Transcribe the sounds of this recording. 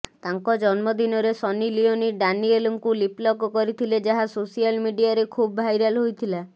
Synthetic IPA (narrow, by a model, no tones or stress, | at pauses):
t̪aŋkɔd͡ʒɔnmɔd̪inɔɾesɔnilioniɖanielɔŋkuliplɔɡɔkɔɾit̪ʰiled͡ʒaɦasosialmiɖijaɾekʰubɔbʱajɾalɦojt̪ʰila